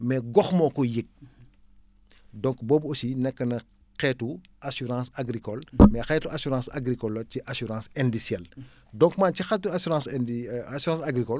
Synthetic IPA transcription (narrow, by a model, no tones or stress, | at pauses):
mɛɡɔxmɔːkɔjik̚ | dɔ̃ŋkbɔːbosinɛkːənɐ | qɛtu | ʔasyɾãːsaɡɾikɔlmɛxɛtuʔasuɾãːsa̰ɡɾikɔlːɐciʔasuɾãsɛndisjɛl | dɔ̃ŋkmaːncixatːuasuɾãːsasyɾãsaɡɾikɔl